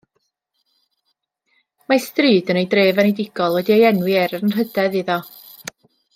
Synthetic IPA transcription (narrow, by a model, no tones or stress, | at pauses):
mastriːdənejdreːvɛnejdɪɡ̥ɔlˠwɛdiejɛnwɪɛɾənrədɛðiðɔ